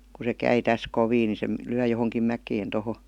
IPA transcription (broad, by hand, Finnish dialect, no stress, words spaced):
ku se kæi tæs koʋiː ni se lyæ johoŋkim mækeːn toho